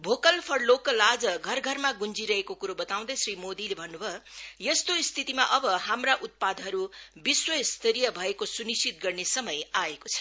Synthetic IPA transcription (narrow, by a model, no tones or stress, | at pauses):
bʱokʌlpʰʌrloklad͡zʌɡʱʌrɡʱʌrmaɡund͡ziɾʌɦekokuɾobʌt̪aw̃d̪ʌjsrimod̪ilebʱʌnːubʱʌjʌst̪oist̪ʰit̪imaʔʌbʌɦamraʔut̪̚pad̪ʱɦʌɾubiswʌst̪ʰʌɾijʌbʱʌekosunist͡ʃit̪ɡʌrnesʌmʌjaekot͡sʰʌ̥